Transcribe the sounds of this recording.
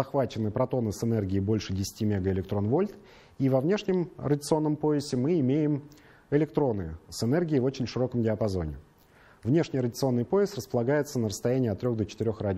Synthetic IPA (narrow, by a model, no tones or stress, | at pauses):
zɐxvat͡ɕɪnːɨpɾɐt̪o̞nɨsɨnɛrɡʲɪːbo̞lʲʂɨdʲɪsʲɪ̥tʲimʲeɡəɪlʲɪkt̪ɾo̞nvo̞lʲt̪ | ivɐvnʲe̞ʂnʲɪmrədʲɪt̪sɨo̞nːəmpo̞ɪsʲɪmɨɪmʲejɪm | ɪlʲɪk̚t̪ɾo̞nɨsɨnɛrɡʲɪːvo̞t͡ɕɪnʲʂɨɾo̞kəmɡʲɪɐpɐzo̞̰nʲɪ̰ | vnʲe̞ʂnʲɪjrədʲɪt̪sɨo̞nːɨjpo̞ɪst̪rəspəlˠɐɡajɪt̪sənəɾəst̪ɐjænʲɪːɐt̪ːɾʲo̞ɣd̪ət͡ɕɪ̥t̪ɪɾʲoxradʲ